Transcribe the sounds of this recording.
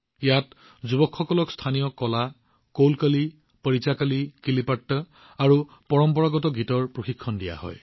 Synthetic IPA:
jat | zubɔkʰːɔkɔlɔkstʰanijɔkɔla | kowlkəli | pəɹit͡ʃakalikilipatːɔ | aɹu | pɔɹɔmpɔɹaɡɔtɔɡʱitɔɹpɹoxikʰːɔndija̰ɦɔ̰j

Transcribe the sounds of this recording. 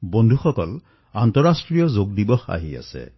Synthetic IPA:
bɔndʱuxɔkɔl | ant̪ɔɹasʈɹijɔzoɡdibɔxa̰ɦia̰sɛ̰

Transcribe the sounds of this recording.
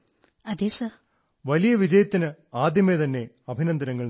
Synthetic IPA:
ɐd̪eːsɐ | ʋɐlijɐʋid͡ʑɐjɐt̪ːinɨaːd̪jɐmet̪ɐnːe̞ | ɐbʱinɐnd̪ɐnɐŋːɐɭ

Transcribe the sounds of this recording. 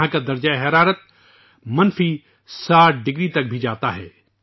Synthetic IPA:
ãkad̪ɐɾd͡ʒaeɦɐɾaːɾət̪̚ | mɐnfi | saːʈ̚ʰɖɪɡɾit̪ɐk̚bʱid͡ʒaːt̪aɦɛː

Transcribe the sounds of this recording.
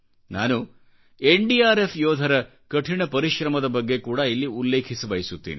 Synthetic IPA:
na̰ːnu | eɳɖiaːɾefʰjɔːd̪ʱɐɾɐ | kɐʈʰiɳɐpɐɾiʃɾɐmɐd̪ɐbɐɡːe̞kuːɽɐilːiulːe̞ːkʰisibɐjisut̪ːḭːni

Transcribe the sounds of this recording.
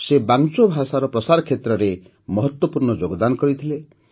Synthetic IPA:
sebaŋt͡ʃobʱasaɾɔpɾɔsaɾɔkʰet̪ɾɔɾe | mɔɦɔt̪wɔpuɾɳɔd͡ʒoɡɔd̪anɔkɔɾit̪ʰile

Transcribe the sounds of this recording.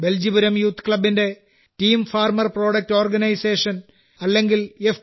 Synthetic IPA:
be̞ld͡ʑibuɾɐmjuːt̪ːkɭɐbːinde̞ | tiːmfaːrmɐrpro̞ːɽɐk̚ʈo̞ːrɡɐnɐjse̞ːʂɐn | ɐlːe̞ŋɡilef

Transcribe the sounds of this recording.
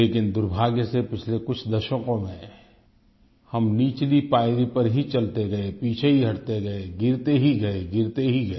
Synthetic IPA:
leːkɪnd̪ʊɾbʱaːɡjəsepɪt͡ʃʰlekʊt͡ʃʰd̪ɐʃəkõmẽ | hɐmniːt͡ʃlipaːɪɾipɐɾɦit͡ʃɐlt̪eɡɐepiːt͡ʃʰeɦiɦɐʈt̪eɡɐeɡɪɾt̪eɦiɡɐeɡɪɾt̪eɦiɡɐe

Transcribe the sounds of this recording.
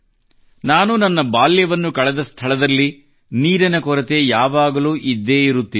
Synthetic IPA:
naːnunɐnːɐbaːljɐʋɐnːukɐɭɛd̪ɐst̪ʰɐɭɐd̪ɐlːi | niːɾɐnɐkɔɾɐt̪e̞jaːʋaːɡɐluːʔid̪ːe̞ːiɾut̪ːi

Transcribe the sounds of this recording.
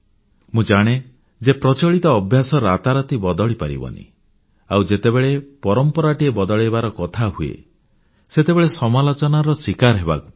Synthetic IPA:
mũd͡ʒaɽ̃e | d͡ʒepɾɔt͡ʃɔɭit̪ɔːbʱjasɔɾat̪aɾɔt̪ibɔd̪ɔɭipa̰ɾḭbɔ̰nḭ | awd͡ʒet̪ebeɭepɔɾɔmpɔɾaʈiebɔd̪ɔɭebaɾɔkɔt̪ʰaɦuḛ | set̪ebeɭesɔmalɔt͡ʃɔnaɾɔsikaɾɦeba̰ku

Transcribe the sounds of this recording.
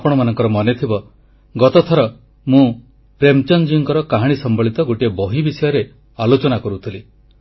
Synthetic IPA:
pɔɽ̃ɔmanɔŋkɔɾɔmɔnet̪ʰibɔ | ɡɔt̪ɔt̪ʰɔɾɔ | mũ | pɾemt͡ʃɔnd͡ʒiŋkɔɾɔkaɦaɽ̃isɔmbɔɭit̪ɔɡoʈiebɔɦibisɔjɔɾe | alot͡ʃɔnakɔɾut̪ʰili

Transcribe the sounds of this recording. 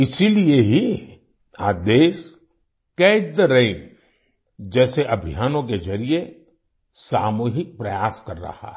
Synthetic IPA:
ɪsilieɦi | aːd̪eːʃ | kɛːd̪ɾeɪm | d͡ʒɛːseʔɐbʱijaːnõk̬ezɐɾie | saːmoːɦɪk̚pɾɐjaːskɐɾːɐ̰ha̰

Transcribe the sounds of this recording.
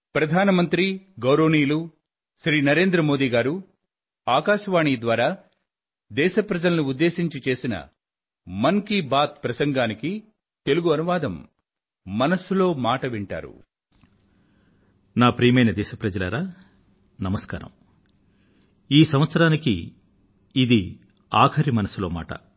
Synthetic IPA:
pɾɐd̪ʱaːnɐmɐnt̪ɾiɡɐwɾoːniːlu | ʃɾiːnɐɾe̞ːnd̪ɾɐmo̞ːd̪iːɡaːɾu | aːkaːʃɐʋaːɳiːd̪ʋaːɾaː | d̪ɛːʃɐpɾɐd͡ʒɐlɐnuud̪ːe̞ːʃiɲt͡ʃit͡ʃe̞ːsinɐ̰ | mɐŋkibaːt̪̚pɾɐsɐŋɡaːniki | t̪e̞luɡuɐnuʋaːd̪ɐmː | ɐnɐsulo̞ːmaːʈɐʋiɳʈa̰ːɾṵ | naːpɾiːmɐjnɐd̪ɛːʃɐpɾɐd͡ʒɐlɐ̰ɾaː | nɐmɐskaːɾɐ̰m | iːsɐmʋɐt̪sɐɾaːnikiː | d̪i | aːkʰɐɾimɐnɐsulo̞ːma̰ːʈɐ̰

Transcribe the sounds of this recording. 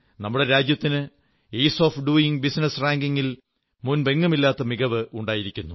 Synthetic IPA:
nɐmːuɽe̞ɾaːd͡ʑjɐt̪ːinɨ | iːso̞ːfɖuːjiŋbisnɐsraːŋɡiŋːil | munbeŋːɐmilːaːt̪ːɐmiɣɐʋɨʔuɳɖaːjiɾikʲːunːu

